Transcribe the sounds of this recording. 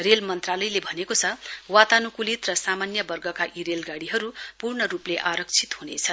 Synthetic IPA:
relmʌnt̪ralʌjlebʱʌnekot͡sʰʌwat̪anukulit̪rʌsamanjʌbʌrɡʌkaʔiɾelɡaɽiɦʌɾupurnʌɾupleʔaɾʌkt͡sʰit̪ɦunḛt͡sʰʌn

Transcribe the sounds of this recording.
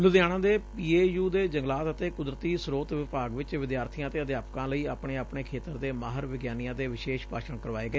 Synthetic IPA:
lʊd̪jaːɽ̃ãːd̪eːpiːeːjuːd̪eːd͡ʒəŋɡlaːt̪ət̪eːkʊd̪ɾət̪iːsɾoːt̪ʋɪpaːɡʋɪt͡ʃʋɪd̪jaːɾt̪ʰijãːt̪eːəd̪jaːpkãːləiːaːpɳeːapɳeːkʰeːt̪əɾd̪eːmaːɦəɾʋɪɡjaːnijãːd̪eːʋɪʃeːʃpaːʃəɳkəɾʋaːeːɡəeː

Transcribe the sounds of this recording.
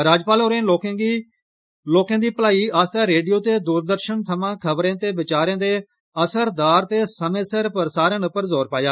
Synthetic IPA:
ɾaːd͡ʒpaːloːɾẽːoːkːi | loːkãːd̪iːpəlaːiːaːst̪ɛːɾeːɖijoːt̪eːd̪uɾd̪əɾʃənt̪ʰəmãːkʰəbɾẽːt̪eːbɪt͡ʃaːɾẽːd̪eː | əsəɾd̪aːɾt̪eːsəmẽːsəɾpəɾsaːɾẽːnʊpːəɾzoːɾpaːjaː

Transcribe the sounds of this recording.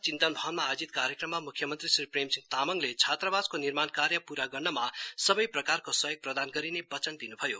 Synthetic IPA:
t͡sint̪ʌnbʱʌɦnmaːd͡zit̪kaɾjekrʌmːamukʰjʌmʌnt̪risripremsiŋɡt̪amʌŋlet͡sʰat̪rʌbad͡zkonirmankarjʌpuɾaɡʌrnʌmasʌbʌjprʌkarkosʌjʌɡ̚prʌd̪anɡʌɾinebʌt͡sʌnd̪inubʱʌjo

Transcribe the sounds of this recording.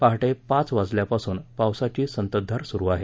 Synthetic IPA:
paɦʈepãt͡sʋad͡zljapasuːnpawsat͡ɕiːsənt̪əd̪ʱːaɾsuɾuːaɦe

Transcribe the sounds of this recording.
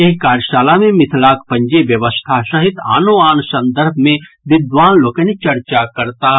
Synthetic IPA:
eɦkaːɾʃaːlamẽmɪt̪ʰlaːkpɐ̃ɲd͡ʒeʋjəʋəst̪ʰasɐɦɪt̪a̰ːnoaːnsə̃nd̪əɾbʱmẽ | ʋɪd̪ʋaːnloːkenit͡ʃɐɾt͡ʃakɐɾt̪aː

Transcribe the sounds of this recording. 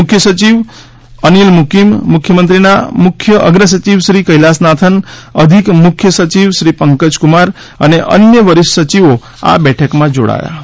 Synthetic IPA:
mʊkʰjəsət͡ʃiʋ | ənilmukimːʊkʰjəmənt̪ɾinamʊkʰjəʔəɡɾəs̬ət͡ʃiʋʃɾikəɦilasnat̪ʰənəd̪ʱikmʊkʰjəsət͡ʃiʋʃɾipəŋkəd͡ʒkumaɾ | əneʔə̰njəʋəɾiʃːət͡ʃiʋo | a̰bɛʈʰəkmãd͡ʒo̰ɽa̰ja̰

